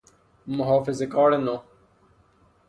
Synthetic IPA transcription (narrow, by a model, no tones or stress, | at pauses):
mʊɦaːfɪzekaːɽenõ